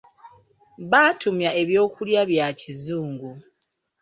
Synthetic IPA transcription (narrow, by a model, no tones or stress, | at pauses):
βaːtumjaʔe̞βjo̞ːkuljaβjacizuːŋɡu